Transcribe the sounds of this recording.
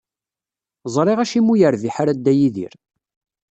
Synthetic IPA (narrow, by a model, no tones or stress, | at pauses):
zˤɾˤeʁæʃimujəɾviħaɾæd̪ːæjiðḭɾ